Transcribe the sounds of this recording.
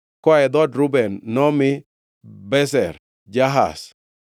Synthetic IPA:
kwaɛd̪ɔdɾʊbɛnːɔmɪ | bɛsɛr | d͡ʒaɦa̰s

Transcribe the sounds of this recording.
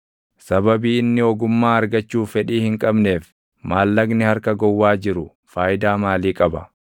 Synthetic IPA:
sɐbɐbiːɪnːɪɔɡʊmːaːɐɾɡɐt͡ʃːuːfɛᶑiːhɪŋkʼɐbne̞ːf | maːlːɐɡnɪhɐɾkɐɡɔwːaːd͡ʒɪɾʊ | faːjɪd̪aːmaːliːkʼɐbɐ

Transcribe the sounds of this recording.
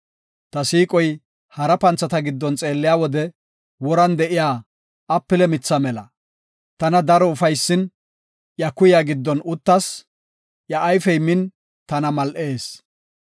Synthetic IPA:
t̪ɐsiːkʼɔj | hɐɾɐpɐnt͡sːɐt̪ɐɡɪd̪ːɔnt͡sʼe̞ːlːɪjaːwɔd̪ɛ | wɔɾɐnd̪ɛʔɪjaː | ɐpːɪlɛmɪt͡sːɐmɛlɐ̰ | t̪ɐnɐd̪ɐɾɔʊfɐjsːɪn | ʔjɐkʊjaɡɪd̪ːɔnʊt̪ːɐs | jɐʔːjfɛjmɪn | t̪ɐnɐmɐlʔe̞ːs

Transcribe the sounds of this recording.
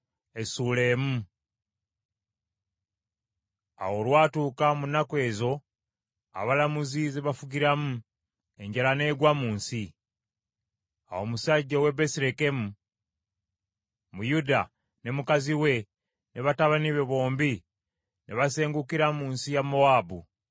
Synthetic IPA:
esule̞ːmu | a̰wo̞lwaːtuːkamunakwe̞ːzo̞ | a̰βalamuzizeβafuɡiɾamu | e̞ɲɟalane̞ːɡwamuːnsi | awo̞musaɟːowe̞be̞siɾeke̞mu | mujuda | ne̞mukaziwe̞ | neβataβaniβe̞βo̞ːmbi | nʔeβase̞ːŋɡukiɾamuːnsijamo̞aːbṵ

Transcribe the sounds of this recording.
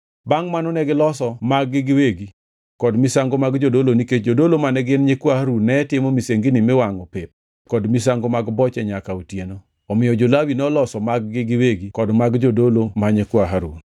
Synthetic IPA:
baŋmanonɛɡɪlɔsɔmaɡːɪɡɪweɡi | kɔdmisaŋɡomaɡd͡ʒodoloniket͡ʃd͡ʒodolomanɛɡɪnɲekwahaɾunɛtɪmomiseŋɡinimɪwaŋɔpep̚ | kɔdmis̬aŋɡomaɡbɔt͡ʃɛɲakautjeno | ɔmɪjɔd͡ʒolawinɔlɔsɔmaɡːɪɡɪweɡikɔdmaɡd͡ʒodolomaɲekwaɦaɾu

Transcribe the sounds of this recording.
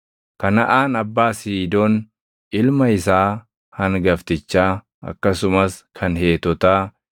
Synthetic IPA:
kɐnɐʔaːnɐbːaːsiːd̪oːn | ɪlmɐɪsaː | hɐŋɡɐft̪ɪt͡ʃːaː | ɐ̰kːɐsʊmɐskʰɐnhe̞ːt̪ɔt̪aː

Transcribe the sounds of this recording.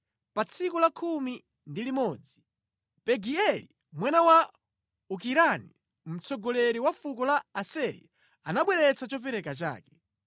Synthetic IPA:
pat͡sʰikɔlakʰumi | ndilimɔːd͡zi | pɛɡiɛli | mwanawa | uk̬iɾani | m̩t͡sɔɡɔlɛɾiwafukɔlaːsɛɾḭ | anaɓwɛɾɛt͡sat͡ʃɔp̬ɛɾɛkat͡ʃa̰ːkɛ̥

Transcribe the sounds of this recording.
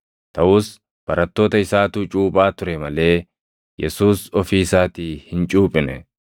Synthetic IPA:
t̪ɐʔʊːs | b̥ɐɾɐt̪ːo̞ːt̪ɐɪsaːt̪uːt͡ʃʼuːbʼaːt̪ʊɾɛmɐle̞ː | jɛsuːsɔfiːsaːt̪iːhɪnt͡ʃʼuːpʼɪnɛ

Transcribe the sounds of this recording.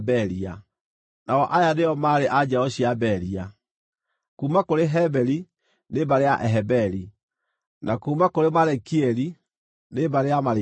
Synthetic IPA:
bɛɾia | naɔʔajaneɔmaɾeʔad͡ʑaɔɕiabɛɾia | kuːmakoɾeɦɛbɛɾi | nebaɾeaʔɛɦɛbɛɾi | nakuːmakoɾemaɾɛkiɛɾi | nebaɾeamaɾ

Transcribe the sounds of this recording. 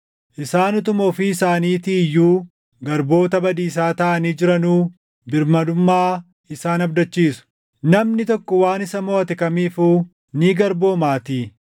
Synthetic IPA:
ʔɪsaːnɔt̪ʊmɔːfiɪsaːniːt̪ijːuː | ɡɐɾbo̞ːt̪ɐbɐd̪iːs̬aːt̪ɐʔɐniːd͡ʒɪɾɐnuː | bɪɾmɐd̪ʊmːaː | ɪsaːnɐbd̪ɐt͡ʃːiːsʊ̥ | nɐmnɪt̪ɔkːɔwaːnɪsɐmoːɐt̪ɪkɐmiːfuː | niːɡɐɾbo̞ːmaːt̪iː

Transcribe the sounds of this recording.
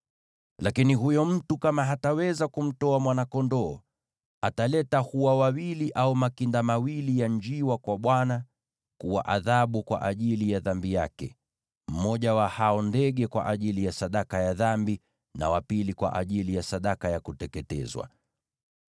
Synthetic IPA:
lakiniɦujɔm̩tukamaɦatawɛzakum̩tɔamwanakɔndɔː | atalɛtahuwawawiliʔaumakindamawilijaɲd͡ʒiwakwaɓwana | kuwa̰ʔaðaɓukwa̰ʔaʄilijaðambija̰kɛ̰ | m̩mɔʄawahaɔndɛɠɛkwa̰ʔaʄilijasaɗakajaðambi | na̰wapilikwa̰ʔaʄilijasaɗakajakutɛkɛtɛ̰zwa̰

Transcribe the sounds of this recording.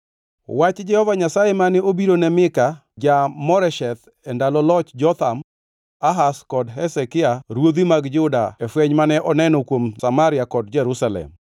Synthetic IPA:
wat͡ʃd͡ʒɛhɔvaɲasajemanɪobiɾonɛmɪka | d͡ʒamɔɾɛʃɛt̪ | ɛndalɔlɔt͡ʃd͡ʒɔt̪am | aɦaskɔdɦɛsɛkɪaɾwod̪imaɡd͡ʒʊda̰ɛfwɛɲmanɛʔɔnɛnɔkwomsamaɾɪjakɔdd͡ʒɛɾusalɛ̰m

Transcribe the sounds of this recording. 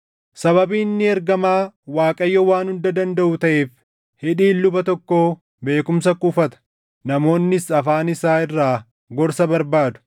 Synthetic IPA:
sɐβɐbiːnːɪɛɾɡɐmaːwaːkʼɐjːɔwaːnhʊnd̪ɐd̪ɐnd̪ɐʔʊt̪ɐʔe̞ːf | hɪᶑiːlːʊbɐt̪ɔkːo̞ː | be̞ːkʊms̬ɐkʼʊfɐt̪ɐ̥ | nɐmo̞ːnːɪsɐfaːnɪsaːɪrːaː | ɡɔɾsɐbɐɾbaːd̪ʊ̥

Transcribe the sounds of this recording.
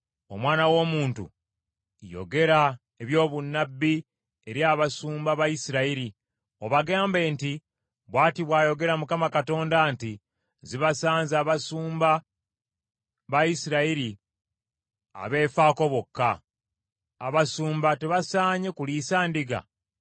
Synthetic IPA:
o̞̰mwaːnawo̞ːmuːntṵ | jo̞̰ɡe̞ɾa | eβjo̞ːβunːabːi | eɾjaːβasuːmbaβajisiɾaiɾi | o̞βaɡaːmbe̞ːnti | βwaːtiβwaːjo̞ɡe̞ɾamukamakato̞ːndanti | ziβasaːnzaːβasuːmba | βajisiɾaiɾi | a̰βe̞ːfaːko̞βo̞kːa | βasuːmbateβasaːɲe̞kulisaːndiɡa̰

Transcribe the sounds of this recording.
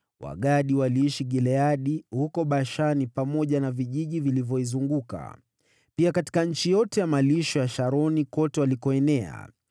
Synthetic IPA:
wa̰ɠaɗiwaliiʃiɠɛlɛaɗihukɔɓaʃanipamɔʄanaviʄiʄivilivjɔizuŋɡuka̰ | piakati̥kaɲ̩t͡ʃijɔtɛjamaliʃɔjaʃaɾɔnikɔtɛwalikɔɛnɛa̰

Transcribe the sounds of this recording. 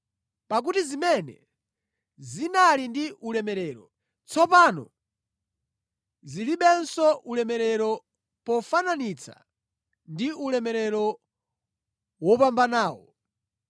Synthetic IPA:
pak̬utizimɛnɛ̰ | zinalindiʔulɛmɛɾɛːɾɔ | t͡sɔpaːnɔ̰ | ziliɓɛnsɔʔulɛmɛɾɛɾɔ | pɔfananit͡sʰa̰ | ndiulɛmɛɾɛɾɔ | wɔpambanaːwɔ̰

